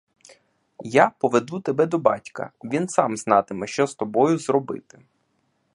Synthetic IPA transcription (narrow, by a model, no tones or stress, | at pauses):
japɔʋed̪ut̪ebɛd̪ɔbɑtʲkɐ̰ʋʲinsɑmznɑt̪ɪmɛʃt͡ʃɔst̪ɔbɔjʊzrɔbɪ̰t̪ɪ̥